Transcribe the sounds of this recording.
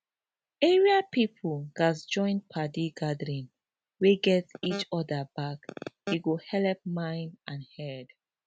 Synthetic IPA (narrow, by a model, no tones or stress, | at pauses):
ɛɹiapipʰulɡ̥asd͡ʒɔ̃ɪ̃npʰadiɡadəɹĩn | weɡɛtit͡ʃɔdəbakeɡohɛlɛp̚mãɪ̃ndãnhɛd̥